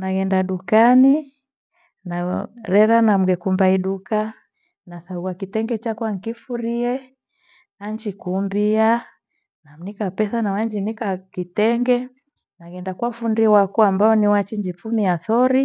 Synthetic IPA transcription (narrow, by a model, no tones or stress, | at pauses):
naɡɛndaɗukani | naɾɛɾanam̩ɡɛkumbaiɗuka | naθauakitɛŋɡɛt͡ʃakwaŋ̩kifuɾiɛ | aɲd͡ʒikumbia | nam̩nikapɛsanawaɲd͡ʒinikakitɛŋɡɛ | naɡɛndakwafundiwakuambaɔniwat͡ʃiɲd͡ʒifumiaθɔɾi